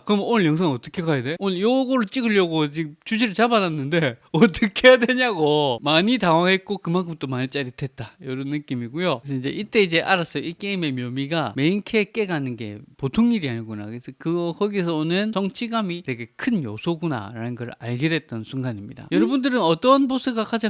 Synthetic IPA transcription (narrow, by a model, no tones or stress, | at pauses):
kɯɾʌmnonɯɭjʌŋsʰaŋʌt͈ʌkʰe̞kajade̞onɯjoɡoɾɯɭt͡ɕ͈iɡɯɭjʌɡot͡ɕit͡ɕud͡ʑiɾɯɭt͡ɕabadanːɯnde̞ʌt͈ʌkʰejadweɲaɡomaɲitaŋwaɦet̚k͈okɯmaŋkʰɯmt͈omaɲit͡ɕ͈aɾitʰe̞t̚t͈ajʌɾʌnːɯk͈imiɡujoɯesʰʌid͡ʑe̞ʔit͈e̞id͡ʑe̞ʔaɾas͈ʌjoik͈e̞ime̞mjʌmiɡame̞inkʰe̞k͈e̞ɡanɯnɡe̞̰potʰoŋɲiɾiaɲiɡuna̰kɯesʰʌkɯɡʌhʌɡisʰʌonɯnt͡ɕʌŋt͡ɕʰiɡamite̞ɡe̞kʰɯnjosʰoɡuna̰ɾanɯnɡʌɾɯa̰ɭɡe̞dwe̞t̚t͈ʌnsʰuŋɡaɲimɲida̰jʌɾʌbundɯɾɯnʌt͈ʌnposʰɯɡakad͡ʑa